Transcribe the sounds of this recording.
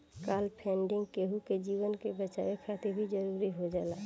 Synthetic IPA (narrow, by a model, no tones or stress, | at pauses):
kaːlpʰɛ̃ːɳɖɪ̃ŋɡkeɦuked͡ʒiːwənkebət͡ʃawekʰaːt̪ʰebʱid͡ʒəɾuːɾiɦod͡ʒaːla